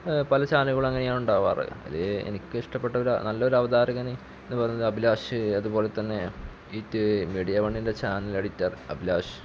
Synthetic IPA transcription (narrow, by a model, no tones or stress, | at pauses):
pɐlɐt͡ɕaːnuɣɐɭɐŋːɐnejaːɳuɳɖaːʋa̰ːrɨ̰ɐ̰leḛnikʲːɨiʂʈɐpːe̞ʈːɐɾɐ̰nɐlːɐoɾɐʋɐd̪aːɾɐɣɐni | enːɨpɐrɐjɲːɐðɨɐbʱilaːʂɨɐðupo̞ːle̞t̪ːɐnːe̞ | itːɨmiːɽijɐʋɐɳːinde̞t͡ɕaːnilɐɽitːaːrɨɐ̰bʱilaːʂɨ̥